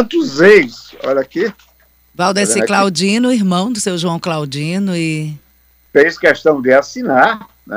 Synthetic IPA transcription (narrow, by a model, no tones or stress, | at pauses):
t̪ʊzejsɔ̰ʎake | vawd̪esɪklawd͡ʒĩnʊiɦmɐ̃w̃d̪ʊsewʒuɐ̃w̃klawd͡ʒĩnʊɪ | fẽjskɛʃt̪ɐ̃w̃d̪ɪasinaɾ | nɛ̰